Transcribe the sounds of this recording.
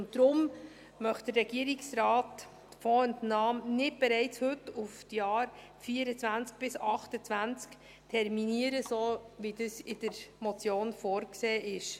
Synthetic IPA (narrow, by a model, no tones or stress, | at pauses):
ʊntdɾʊm | mœχtd̪əɾɾɛɡ̥iəɾɪksɾɑːt | fɔəntnɑːmnɪt̚b̥ɛɾɛɪt͡shɵtːuftjɑːɾ | fiːəɾət͡svænt͡sk̚b̥ɪsɑχtət͡sʋænt͡sk | tʰɛɾminiəɾəsoːʋidəsɪd̥əɾmɔt͡sjoːnfoːɾkseːʔɪʃ